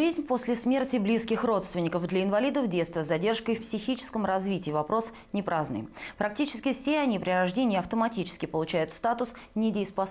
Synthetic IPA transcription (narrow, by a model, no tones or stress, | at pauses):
ʐɨzʲnʲposʲlʲɪsmʲe̞rtʲɪblʲiskʲɪxro̞t̪st̪vʲɪnʲɪkəfd̪lʲɐɪnvɐlʲid̪əvdʲet̪st̪vʲəzɐdʲe̞rʂkəjfpsʲɪxʲit͡ɕɪ̥skəmrɐzvʲitʲɪːvɐpɾo̞s | nʲɪpɾʔaznɨ̰jpɾʔɐk̚tʲit͡ɕɪ̥skʲɪfsʲeɐnʲipɾʲɪɾɐʐdʲenʲɪjəɐft̪əmɐtʲit͡ɕɪ̥skʲɪpəlˠʊt͡ɕæjʊt̪st̪at̪ʊsnʲɪdʲɪjspɐs